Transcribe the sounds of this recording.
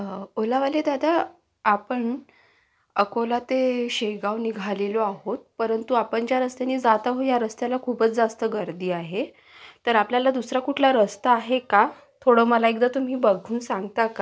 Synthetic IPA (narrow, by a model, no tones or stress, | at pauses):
olaʋaled̪ad̪aː | pəɳ | əkolat̪eɕeɡaʋniɡʱaleloaɦot̪̚pəɾənt̪uapəɳd͡ʑjaɾəst̪janiːd͡zat̪aɦojaɾəst̪jalakʰuːpət͡sd͡zast̪əɡəɾd̪iːaɦe | t̪əɾapljalad̪usɾakuʈʰlaɾəst̪aːɦeka | t̪ʰoɽəməlaekd̪at̪um̤iːbəɡʱuːnsãŋɡt̪aka